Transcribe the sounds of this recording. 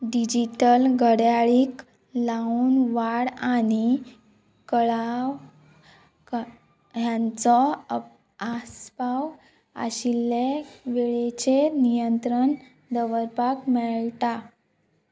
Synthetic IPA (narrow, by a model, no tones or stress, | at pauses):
ɖid͡ʑiʈəlɡəɽjaɭiːk | lauːnʋaɽaɽ̃i | kəɭaw | k | jãnt͡sɔ | aspaw | a̰ɕilːeʋeɭet͡ɕenijənt̪ɾəɳ | d̪əʋəɾpakmɛɭt̪a